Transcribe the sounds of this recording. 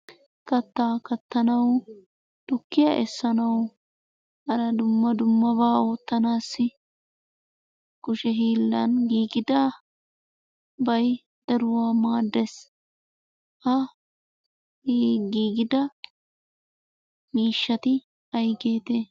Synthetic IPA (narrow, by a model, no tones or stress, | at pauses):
kɐt̪ːaːkɐt̪ːɐnɐw | d̪̥ʊkːɪjaʔɛsːɐnɐw | ɐɾɐd̪ʊmːɐd̪ʊmːɐbaːo̞ːt̪ːɐnaːsːɪ | kʊʃɛɦiːlːɐ̰nɡiːɡɪd̪aː | bɐj | d̪̥ɐɾʊwaːmaːd̪ːɛs | ʔɐ | hiːɡiːɡɪd̪ɐ | miːʃːɐt̪ɪ | ɐjɡe̞ːt̪eː